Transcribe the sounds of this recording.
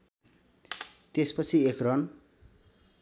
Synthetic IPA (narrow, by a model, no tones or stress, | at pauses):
t̪espʌt͡sʰiekrʌn